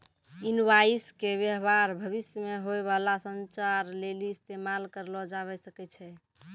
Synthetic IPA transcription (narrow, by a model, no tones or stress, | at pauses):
inwaiskebjəɦbaɾbʱəβisjəmeɦoeβalasənt͡ʃaɾleliːst̪emalkəɾlɔd͡ʒaβɛsəkɛt͡ʃʰɛ